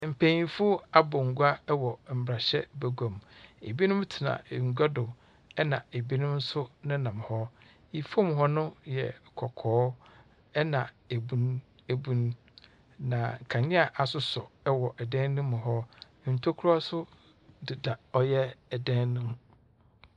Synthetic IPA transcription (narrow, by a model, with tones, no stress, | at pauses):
m̩˨pʰẽ˨˦ĩ˨fʊ˦a˦bɔ˨ŋ̩˨ɡu˦a˦ɛ˦wɔ˨m̩˨bɾa˨ɕɛ˦bɛ˨ɡõ˨mḛ˨bi˦nʊ̃˦m˦tʰɪ˨nã̰˨ŋ̩˨ɡʷa˦dʊ˨ | ɛ˦nã̰˨e˨bi˦nʊ̃˦m̩˦sʊ˦nʊ̃˦nã˨m˨hɔ˦ | i˨fo˦m˨ɦɔ˦nʊ̃˦jɛ̰˨kʰɔ˨kʰɔː˨˦ | ɛ˦nã˨ | e˨bu˨n | e˨bũ˨n | nã˨ŋ̩˨kʰã˨ɲɪ̃˦a˨ʔa˨sʊ˦sɔ˨ɛ˦wɔ˨ʔɛ˨dɛ̃˦nnʊ̃˦mːʊ̃˨ɦɔ˦˨ | n̩˨tʰo˦kʰu˦ɾa˦sʊ˦ | dɪ˨da˨ɔ˦jɛ˦ɛ˨dɛ̃˦nːʊ̃˦m